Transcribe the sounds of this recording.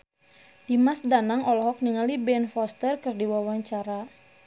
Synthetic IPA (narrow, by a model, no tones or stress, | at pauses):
d̥imasdanaŋɔlɔɦɔk̚niŋalibɛnfɔst̪ərkɨrdiwawaɲt͡ʃaɾa